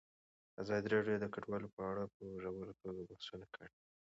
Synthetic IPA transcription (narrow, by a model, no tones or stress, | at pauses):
azɑd̪iɾɑɖjod̪əkaɖwɑlopəaɽapəʒawəlot̪oɡabahsunakəɽi